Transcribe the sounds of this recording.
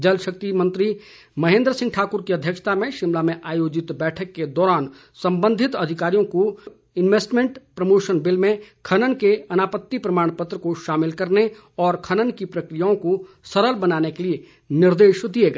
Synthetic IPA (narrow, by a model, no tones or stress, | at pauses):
d͡ʒɐlʃɐk̚t̪imɐ̃nt̪ɾi | mɐɦẽːnd̪ɾəsɪ̃ŋɡʈʰaːkʊɾkiɐd̪ʱjəkʃt̪ʰamẽʃɪmlamẽʔaːjoːd͡ʒɪt̪bɛːʈʰəkːed̪ɔːɾaːn | sɐ̃mbə̃nd̪ʱɪt̪ɐd̪ʱɪkaːɾijõko | ɪnʋeːsʈmẽɳʈpɾɐmoːʃənbɪlmẽkʰɐnənkeɐnaːpət̪ːipɾɐmaːɽ̃pət̪ɾəkoʃaːmɪlkɐɾne | ɔːɾkʰɐnənkipɾɐkɾijaõko | sɐɾəlbɐnaːnekelie | nɪɾd̪eːʃd̪ieɡɐ